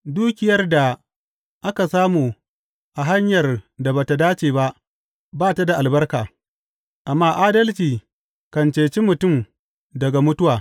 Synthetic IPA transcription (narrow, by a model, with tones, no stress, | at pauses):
duː˦kʲɪ˨jɐ˦rda˨ | ʔa˦ka˨saː˦muː˨ | ʔa˨ɦa˦ɲjɐ˨rda˨ba˨ta˨daː˦t͡ʃeː˨ba˦ʔ | baː˦ta˦da˨ʔa˨lbɐ˦rka̰ː˨ | ʔa˨mːaː˦ʔaː˦dɐ˦lt͡ʃiː˨ | kɐ˨nt͡ʃeː˨t͡ʃi˦mʊ˨tʊ˦˨m | dɐ˨ɡa˨mʊ˦tʊ˦waː˨